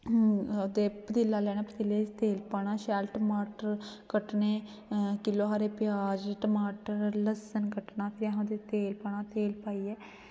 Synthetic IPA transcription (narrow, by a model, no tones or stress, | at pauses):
od̪eːpət̪ɪlːaːlɛːɽ̃ãːpɾət̪ɪleːt̪eːlpaːɽ̃aːʃɛːlʈəmaːʈəɾkəʈneː | kɪloːɦaːɾeːpɪjaːd͡ʒʈəmaːʈəɾləsənkəʈnaːpʰɪɾaɦãd̪eːt̪eːlpaːɳ̃aːt̪eːlpaːiːɛː